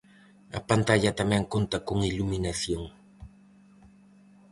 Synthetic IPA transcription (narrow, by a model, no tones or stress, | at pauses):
a̰pant̪aʎat̪amaŋkʊnt̪akʊŋɪʎʊmɪnasjoŋ